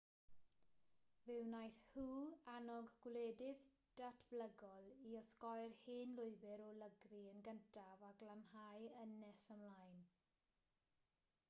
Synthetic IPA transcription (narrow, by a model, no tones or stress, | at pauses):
vɪwnajθhuːanɔɡɡwleːdɪð | d̥atʰb̥ləɡɔlˠiɔskɔjrhiːnlˠʊɨbɪɾɔləɡriənɡəntʰavaɡlanhajənɛsəmlˠaːjn